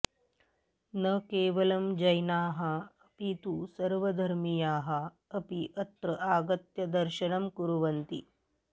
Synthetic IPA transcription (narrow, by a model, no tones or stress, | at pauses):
nɐkeːʋɐlɐmd͡ʒɐjnaːɦɐɐpit̪usɐɾʋɐd̪ʱɐɾmijaːɦɐ | ɐpiʔɐt̪ɾɐʔaːɡɐt̪jɐd̪ɐɾʃɐnɐmkuɾuʋɐnt̪ḭ